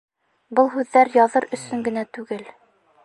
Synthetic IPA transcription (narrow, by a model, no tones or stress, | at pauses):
bɤlˠɦʉðːæɾjɑðɤɾɵ̆sɵŋɡɘ̆næt̪ʉɡɘl